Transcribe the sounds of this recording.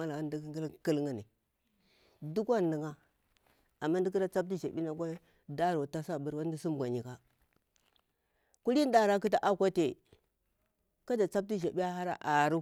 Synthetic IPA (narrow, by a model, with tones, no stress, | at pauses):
a˦la˨a˦n˦di˦kɡi˦lki˦lŋa˨ni˨ | du˦kʷa˦n˨i˨ŋa˦ | a˨mːa˦n˦di˦ki˦da˦t͡sa˦p̚ti˦ʒa˨ɓi˦na˨ka˦ | da˦ɾo˨ta˦sa˦˨bə˨ɾwa˦di˦si˦m˨ɡʷa˨ɲi˨ka˦ | ku˦li˦n˦da˦ɾa˦k̬i˦t̬a˦ʔa˦kʷa˦te˨ | ka˦da˨t͡sa˦p̚ti˦ʒa˨ɓi˦ja˦ha˦ɾa̰˦ʔa˨ɾu˦